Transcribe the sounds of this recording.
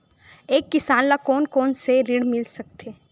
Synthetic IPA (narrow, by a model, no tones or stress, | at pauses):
eːkːɪsaːnlakɔːnkɔːnseɾɪɽmɪlsɐk̚t̪ʰeː